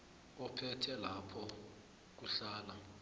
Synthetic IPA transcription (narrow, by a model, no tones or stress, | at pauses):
ɔpʰɛtʰɛlapʰɔ | k̬uɬaːla